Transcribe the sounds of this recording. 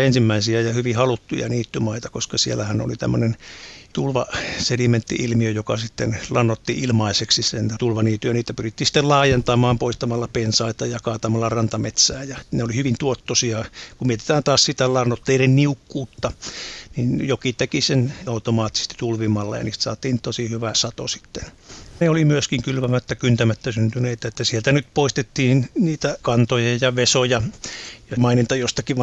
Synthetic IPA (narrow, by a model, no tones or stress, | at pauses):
ensimːæisiæjɑhyʋihɑlut̪ːujɑ̰niːt̪ːymɑit̪ɑkoskɑsielːæhæno̰lit̪æ̰mːønent̪ulʋɑ̰sediment̪ːḭʔilmiøjokɑsit̪ːenlɑnːot̪ːiilmɑiseksisent̪ulʋɑniːt̪ːyjɑniːt̪æpyrit̪ːiːsi̥t̪ːellɑːjent̪ɑmɑːmpoist̪ɑmɑlːɑpensɑit̪ɑjɑkɑːt̪ɑmɑlːɑrɑnt̪ɑmet̪sæːjɑneolihyʋint̪uot̪ːosiɑkumiet̪e̥t̪æːnt̪ɑːssit̪ælɑrnot̪ːeirenniukːuːt̪ːɑninjokit̪ekisenɑut̪omɑːt̪ːise̥st̪i̥t̪ulʋimɑlːɑ̰jɑ̰niːst̪sɑ̰ːt̪iːnt̪osihyʋæsɑt̪o̰si̥t̪ːen | neolimyøskiŋkylʋæmæt̪ːækynt̪æmæt̪ːæsynt̪yneit̪æet̪ːæsielt̪ænyt̪̚poist̪et̪ːiːnniːt̪ækɑnt̪ojɑjɑʋesojɑjɑmɑinint̪ɑjost̪ɑkiʋ